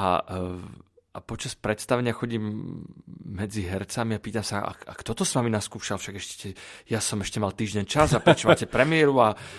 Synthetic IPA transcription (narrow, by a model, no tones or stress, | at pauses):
ʔa̰ | ʔapɔt͡ʃaspɾɛt̪st̪aʋɛɲɪaxɔɟiːmː | ɛd͡ziɦɛɾt͡samiapiːt̪amsaa̰ka̰kt̪ɔt̪ɔsʋaminaskuːʃalfʃaɡɛʃcɛ̥cɛjasɔmɛʃcɛmalt̪iːʒɟɛɲt͡ʃazapɾɛt͡ʃɛmaaːcɛpɾɛmɪɛɾua